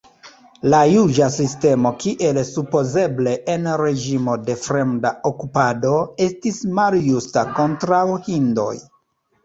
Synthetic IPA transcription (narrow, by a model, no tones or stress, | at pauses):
lajud͡ʒasiste̞mo̞kiʔe̞lsupo̞ze̞ble̞ʔenɾe̞d͡ʒimo̞de̞fɾe̞mdaokupado̞e̞stismaljustako̞ntɾawhindo̞̰j